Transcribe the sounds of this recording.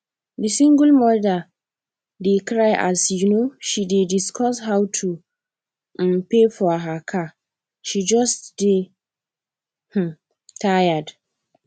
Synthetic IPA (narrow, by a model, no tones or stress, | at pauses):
disĩŋɡəlmɔɹda | dekɹajʔa̰sjunoʃidediskʰɔshawtʰu | pefɔɦakʰa | ʃid͡ʒɔstde | h̩ | tʰajəd